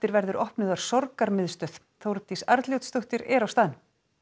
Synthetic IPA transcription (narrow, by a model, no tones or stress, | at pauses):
t̪ɪɾvɛɾðʏɾʔɔhpnɪðaɾ̥sɔɾkaɾmɪðst̪œð̥ | θowɾt̪isaɾt̪ljowt̪st̪ʊht̪ɪɾɛɾawst̪aːðɪn